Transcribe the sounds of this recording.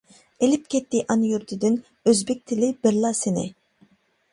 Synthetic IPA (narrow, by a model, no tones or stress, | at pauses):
elip̚kʲʰɛt̪ːɪʔɑnjyɾt̪ʰɪd̪ɪn | øzbɛk̚ʲt̪ʰɪlɪbɪɾlˠɑsenɪ̰